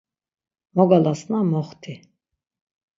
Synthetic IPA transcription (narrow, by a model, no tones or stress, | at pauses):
mɔɡalasnamɔχt̪ʰi